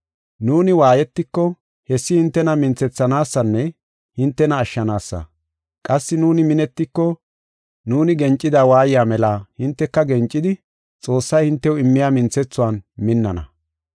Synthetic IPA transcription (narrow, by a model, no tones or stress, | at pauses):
nuːnɪwaːjɛt̪ːɪkːɔ | hɛsːɪhɪnt̪ːɛnɐmɪnt͡sːɛt͡sːɐnaːsːɐnːɛ | hɪnt̪ːɛnɐːʃːɐnaːsːɐ̰ | kʼɐsːɪnuːnɪmɪnɛt̪ːɪkːɔ | nuːnɪɡɛnt͡ʃʼːɪd̪aːwaːjɪjaːmɛlaːhɪnt̪ːɛkːɐɡɛnt͡ʃʼːɪd̪ɪ | t͡sʼo̞ːsːɐjhɪnt̪ːɛwʊɪmːɪjaːmɪnt͡sɛt͡sːʊwaːnmɪnːɐnɐ̰